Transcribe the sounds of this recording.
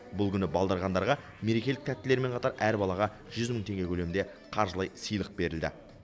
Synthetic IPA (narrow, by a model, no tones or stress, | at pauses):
bʊlˠkʲʰʏnɪbɑlˠd̪ɑɾʁɑnd̪ɑɾʁɑ | meɾe̞kʲe̞lɪk̚t̪ʰæt̪ːɪle̞ɾme̞ɴqʰɑt̪ɑɾæɾbɑlˠɑʁɑ | ʒ̥ʏzməɴt̪ʰe̞ŋɡʲe̞kʲʰɵlemɪnd̪e̞ | qʰɑɾʒəlˠɑjsijlˠəq̚be̞ɾɪld̪ɪ̰